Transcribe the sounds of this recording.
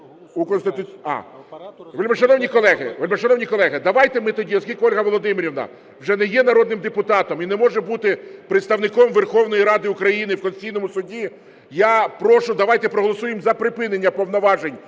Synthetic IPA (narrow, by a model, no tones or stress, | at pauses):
ukɔnst̪ɪt̪ʊɑ̰ | ʋelʲmɛʃɐnɔwnʲikɔlˠɛɦɪʋlʲmɛʃɔɐnɔwnʲikɔlˠɛɦɪd̪ɐʋɑjt̪ɛmɪt̪ɔdʲiɔskʲilʲkɔlʲɦɐʋɔlˠɔd̪ɪmɪɾʲiʋnɐ̰ | wʒɛnɛjɛnɐɾɔd̪nɪmd̪epʊt̪ɑt̪ɔminɛmɔʒɛbut̪ɪpɾeɪt̪st̪ɐʋnɪkɔmʋerxɔwnɔjiɾɑd̪ɪʊkɾɐjinɪwkɔnst̪ɪ̥t͡sʲijnɔmʊsʊdʲi | japɾɔʃʊd̪ɐʋɑjt̪ɛpɾɔɦɔlˠɔsujemzɐpɾɪpɪnenʲːɐpɔwnɔʋɑʒenʲ